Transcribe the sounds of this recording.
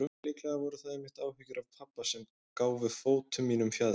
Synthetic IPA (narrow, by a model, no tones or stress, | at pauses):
ɾʏlɪːklɛɣavɔɾʏθaðejmɪht̪aːwhʏcʏɾavpʰapːasɛm | kaːwvɪðfoːwt̪ʰʏmiːnʏmfjað